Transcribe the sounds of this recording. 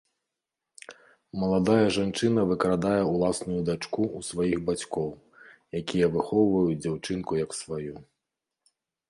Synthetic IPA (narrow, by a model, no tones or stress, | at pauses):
mɐlˠad̪ajɐʐant͡ʂɨnɐvɨkɾad̪ajɛulˠasnujud̪at͡ʂkuusvajixbat͡sʲkɔw | jakʲijɛvɨxɔwvɐjut͡sʲd͡zʲawt͡ʂɨnkujɐksvaju